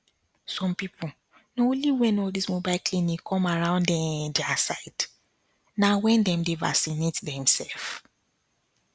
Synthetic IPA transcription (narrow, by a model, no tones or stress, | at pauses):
sɔ̃mpipʰu | nõliwɛ̃nodismobaɪlklĩnikʰɔ̃maɹãʊ̃ndɛ̃dɛasaɪd̥ | nawɛ̃ndɛ̃mdeva̰sinetdɛ̃msɛlf